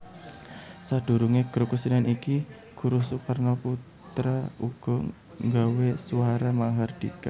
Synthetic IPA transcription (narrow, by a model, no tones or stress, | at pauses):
sad̪̥ṳɾuŋeɡ̥ɾukusinaniki | ɡ̥uɾusukarnɔpu | t̪ɾauɡ̥ɔ | ŋɡawesuaɾamaŋɦard̪̥ika̰